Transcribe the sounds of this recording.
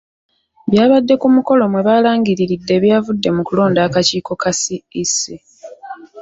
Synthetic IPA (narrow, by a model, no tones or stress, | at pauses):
βjaːβadːe̞kumuko̞lo̞mwe̞βaːlaːŋɡiɾiɾidːe̞βjaːvudːe̞mukulo̞ːndaːkaciːko̞kasiːsi